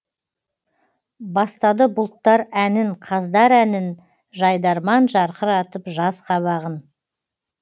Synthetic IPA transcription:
bɑst̪ɑd̪əbʊlˠt̪ːɑɾænɪɴqʰɑzd̪ɑɾænɪn | ʒɑjd̪ɑɾmɑnʒɑɾqəɾɑt̪əpʒɑsqʰɑβɑʁən

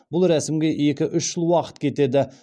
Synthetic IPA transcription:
bʊlˠɾæsɪmɡʲe̞je̞kʲɪʔʏʃʒ̥əlˠwɑqə̥t̪kʲʰe̞t̪e̞d̪ɪ

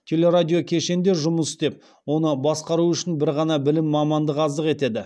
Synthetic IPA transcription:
t̪ʲʰe̞lʲe̞ɾadʲijo̞kʲʰe̞ʃe̞nd̪e̞ɾʒʊməsd̪e̞p̚ | wo̞nəbɑsqɑɾuʏʃɪnbɪɾʁɑnɑbɪlɪmːɑmɑnd̪əqɑzd̪əqe̞t̪e̞d̪ɪ

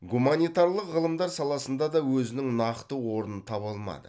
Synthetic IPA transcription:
ɡumanijt̪ɑɾlˠəqʁəlˠəmd̪ɑɾsɑlˠɑsənd̪ɑd̪ɑwɵzɪnɪŋnɑqt̪əwo̞ɾənənt̪ʰɑbɑlˠmɑ̰d̪ə

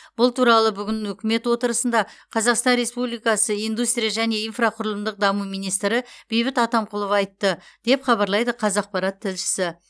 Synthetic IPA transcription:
b̥ʊlˠt̪ʰuɾɑlˠəbʏɡʲɪnɵkʲɪme̞t̪wo̞t̪əɾəsənd̪ɑqʰɑzɑqst̪ɑnɾe̞spublijkɑsəijnd̪ust̪ɾʲijaʒæne̞ijnfraqʰʊɾəlˠəmd̪əq̚d̪ɑmumijnijst̪ɾɪb̥e̞jbɪt̪ɑt̪ɑmqʰʊlˠəfɑjt̪ːəd̪̥e̞pχɑβɑɾlˠɑjd̪əqʰɑzɑq̚pɑɾɑt̪ʰːɪlʃɪ̥sɪ

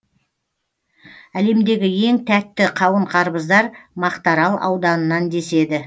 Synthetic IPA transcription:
æle̞md̪e̞ɡʲɪje̞ŋt̪ʰæt̪ːɪqʰɑwəɴqʰɑɾbəzd̪ɑɾmɑqt̪ɑɾɑlˠɑ̰wd̪ɑnənɑnd̪e̞se̞d̪ɪ

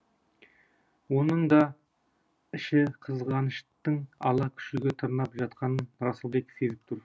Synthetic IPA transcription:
wonəɴd̪ɑ | ɪʃɪqʰəzʁɑnəʃt̪əɴɑ̰lˠɑkʲʰʏ̥ʃɪɡʲet̪ʰəɾnɑpʒɑt̪̚qʰɑnənɾɑsəlˠbekʲsezɪp̚t̪ʰʊɾ

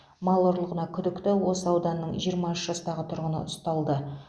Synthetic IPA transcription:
mɑlˠəɾlˠəʁənɑkʲʰʏd̪ɪkt̪ɪwo̞səɑwd̪ɑnːəɴʒijəɾmɑʏʃəʒ̥ɑst̪ɑʁət̪ʰʊɾʁənə̰ʊst̪ɑlˠd̪ə

